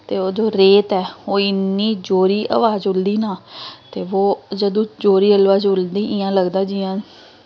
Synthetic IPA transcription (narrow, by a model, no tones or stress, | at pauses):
t̪eːoːd͡ʒoːɾeːt̪ɛːoːɪnːiːd͡ʒoːɾiːʔa̰ːʋaːd͡ʒʊld̪iːnaːt̪eːʋoːd͡ʒəd̪õːd͡ʒoːɾiːəlʋaːd͡ʒʊld̪iːʔɪːãːləɡd̪aːd͡ʒiːãː